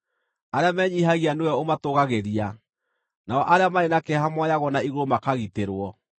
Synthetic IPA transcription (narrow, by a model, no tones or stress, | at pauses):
aɾeamɛːɲiɦaɣianewɛomatoɣaɣeɾia | naɔʔaɾeamaenakɛɦamwajaɣɔnaiɣoɾomakaɣiteɾwɔ